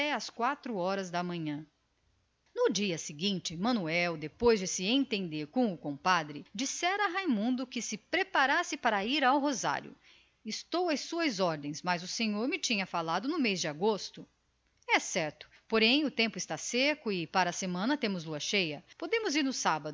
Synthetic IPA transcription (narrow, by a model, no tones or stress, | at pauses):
ɛɐskwat̪ɾʊɔɾɐzd̪ɐmɐ̃ɲɐ̃ | nʊd͡ʒiɐsɪɡĩnt͡ʃɪmɐ̃nuɛwd̪epojzd͡ʒɪsɪẽt̪ẽnd̪eɾkõw̃ʊkõpad̪ɾɪd͡ʒisɛɾɐɦajmũnd̪ʊkɪsɪpɾepaɾasɪpaɾɐiɾawɦoza̰ɾjʊ̰ | ɪst̪owɐjsuɐzɔɾd̪ẽj̃smɐzʊsẽɲoɾmɪt͡ʃĩɲɐfalad̪ʊnʊmejzd͡ʒɪaɡost̪ʊ | ɛsɛɾt̪ʊ̥poɾẽj̃ʊt̪ẽmpʊɪst̪asekʊɪpaɾɐːsemɐ̃nɐt̪ẽmʊzluɐʃejɐpod̪ẽmʊziɾnʊsabɐd̪ʊ